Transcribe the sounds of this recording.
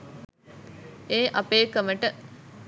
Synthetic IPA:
eːʔɐpeːkəməʈə

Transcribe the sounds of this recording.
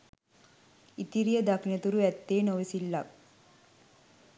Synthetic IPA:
it̪iɾijəd̪akinet̪uɾuʋæt̪ːeːnoʋesilːak̚

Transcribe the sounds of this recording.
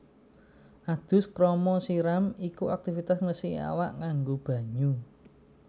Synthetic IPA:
ʔad̪̥ʊ̤skɾɔmɔsiɾamikuak̚t̪ifit̪asŋəsia̰waʔŋaŋɡob̥ä̤ɲu

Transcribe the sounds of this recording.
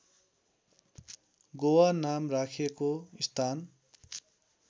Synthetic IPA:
ɡowanamrakʰekoist̪ʰan

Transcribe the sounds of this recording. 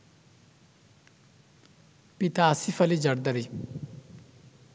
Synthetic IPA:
pit̪aːsifɐlid͡ʒɐɽd̪ɐɾi

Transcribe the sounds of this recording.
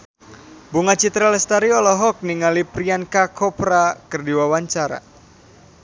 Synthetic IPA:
buŋat͡ʃit̪ɾalɛst̪aɾiɔlɔɦɔk̚niŋalipɾiankakʰɔpɾakɨrdiwawaɲt͡ʃaɾa̰

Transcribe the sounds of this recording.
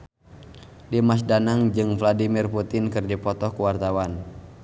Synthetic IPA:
dimas̬danaŋd͡ʒɨŋvladimirput̪ɪnkɨrdipɔt̪ɔhkuwart̪awan

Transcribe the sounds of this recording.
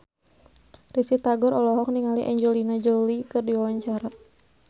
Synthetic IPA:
risit̪aɡɔɾɔlɔɦɔk̚niŋaliʔa̰ɲd͡ʒɔlinad͡ʒɔlikɨrdiwawaɲt͡ʃaɾa

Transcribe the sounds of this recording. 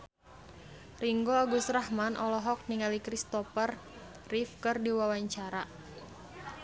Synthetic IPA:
riŋɡoaɡusɾahmanʔɔlɔɦɔk̚niŋalikɾist̪ɔfər | rifkɨrdiwawaɲt͡ʃaɾa

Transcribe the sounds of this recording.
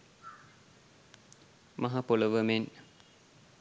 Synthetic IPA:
maɦapoləʋəmen

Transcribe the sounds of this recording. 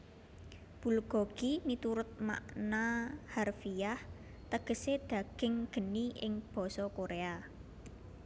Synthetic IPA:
b̥ṳlɡ̥ɔ̤ɡ̥init̪uɾʊt̪̚ma̰ʔnaharfijah | t̪əɡ̥ə̤sed̪̥ä̤ɡ̥ɪ̤ŋɡ̥ə̤niʔɪŋb̥ɔ̤sɔkoɾea

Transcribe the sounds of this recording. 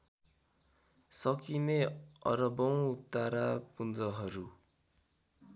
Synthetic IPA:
sʌkineʌ̰ɾʌbʌw̃ut̪ːaɾapund͡zʌɦʌɾu

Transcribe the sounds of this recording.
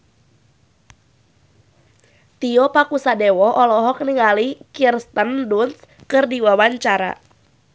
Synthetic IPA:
t̪iɔpakusadewɔʔɔlɔɦɔk̚nɪŋalikirst̪ənduns | kɨrdiwawaɲt͡ʃaɾa̰

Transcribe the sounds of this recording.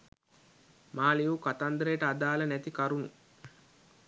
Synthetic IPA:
maːlijukɐt̪ɐnd̪ɾeːʈɐːd̪aːlɐnɛt̪ikɐɾunṵ

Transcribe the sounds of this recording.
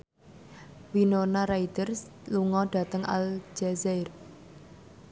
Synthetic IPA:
winonaɾaid̪ərs | luŋɔɖ̥a̤t̪əŋa̰ld͡ʒɛzɛr

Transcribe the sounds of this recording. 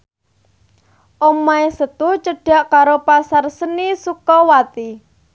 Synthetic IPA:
ʔomaesət̪ʊt͡ʃəɖ̥a̤ʔkaɾopasarsənisukɔwat̪i

